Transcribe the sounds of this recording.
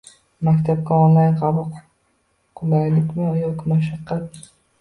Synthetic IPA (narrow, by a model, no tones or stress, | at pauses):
makʲt̪ʰab̚kʲaɔnlajnqʰɑbʊq | qʰʊlaɾlɪkʲmɪjɒkʲmaʃ̬aqːɑt̪̚